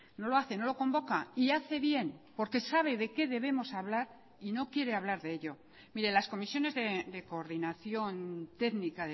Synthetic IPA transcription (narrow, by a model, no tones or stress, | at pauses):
no̞lo̞aθe̞no̞lo̞ko̞mbo̞kaiaθe̞βje̞npo̞ɾke̞saβ̞e̞ðe̞ke̞ðe̞β̞e̞mo̞saβlaɾ | ino̞kje̞ɾe̞aβlaɾðe̞eʎo̞ | miɾe̞lasko̞misjo̞ne̞zðe̞d̪e̞ko̞ːɾðinaθjo̞nt̪e̞ɣnikaðe